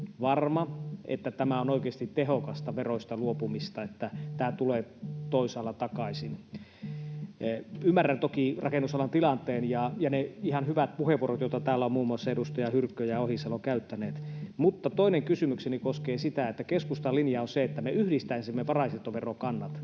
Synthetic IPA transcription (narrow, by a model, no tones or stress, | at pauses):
ʋɑrmɑʔḛt̪ːæt̪æmæonoˑikeːst̪it̪t̪ehokɑst̪ɑʋeroist̪ɑluopumist̪ɑet̪ːæt̪æːt̪uleːt̪oisɑːlːˑɑt̪ɑkɑisin | ymːærːænt̪okirɑkenːusɑlɑnt̪ilɑnt̪ˑeːnjɑjɑneihɑnhyʋæt̪̚puheʋuorot̪joˑit̪ɑt̪æːlːæomuːmuɑsːɑedust̪ɑjɑhyrkːøjæohisɑloŋkæyt̪ːæneːt̪mut̪ːɑt̪oineŋkysymyksenikoskeːsit̪æet̪ːækeskust̪ɑlːinjɑonseet̪ːæmeyhdist̪æinsimːeʋɑrɑiset̪ːoʋerokɑnːɑt̪